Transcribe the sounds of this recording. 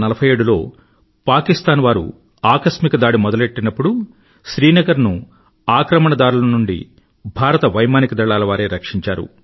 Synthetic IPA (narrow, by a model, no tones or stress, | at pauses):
nɐlɐbʰʱɐje̞ːɽulo̞ː | paːkist̪aːnʋaːɾṵ | aːkɐsmikɐd̪aːɽimɔd̪ɐle̞ʈːinɐpːuɽu | ʃɾiːnɐɡɐɾnu | aːkɾɐmɐɳɐd̪aːɾulɐnuɳɖḭ | bʱaːɾɐt̪ɐʋɐjmaːnikɐd̪ɐɭːaːlɐʋaːɾe̞ːɾɐkʂiɲt͡ʃaːɾṵ